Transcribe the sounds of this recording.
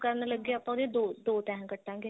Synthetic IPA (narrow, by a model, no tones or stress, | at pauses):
kəɾnləɡːeːaːpãːʊd̪ẽd̪oːd̪oːt̪ɛ̃ɦkəʈʰːãːɡeː